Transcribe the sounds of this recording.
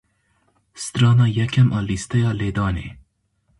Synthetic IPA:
st̪ɾɑːnɑːjɛkʰʲɛmʔɑːlist̪ɛjɑːleːd̪ɑːnḛː

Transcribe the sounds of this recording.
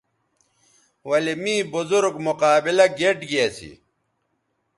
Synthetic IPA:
wɐlimĩːbuzuɾɡmuqaːbilɐɡeʈɡiɐsḭ

